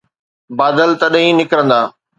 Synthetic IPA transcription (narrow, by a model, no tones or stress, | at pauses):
baːd̪əlt̪ɐɗɦĩnɪkɾə̃nd̪aː